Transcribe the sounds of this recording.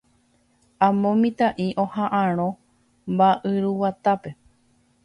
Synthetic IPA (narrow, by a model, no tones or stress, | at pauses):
ãmõmĩt̪aʔiʔõ̞hãʔãɾ̃õ | mbaʔɨɾuwat̪ape̞